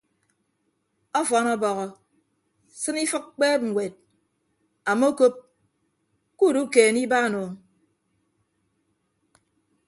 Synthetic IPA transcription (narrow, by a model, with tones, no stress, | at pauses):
ɔ˦fɔ˨˦nɔ˦bɔ˨ɣɔ˨ | sɨ˦ni˦fɨ˦k̚k͡peː˦ŋ̩˨wʷe˨t̚ | a˨mo˦ko˦p̚ | ku˦˨du˦keː˨ni˦ba˦˨no˨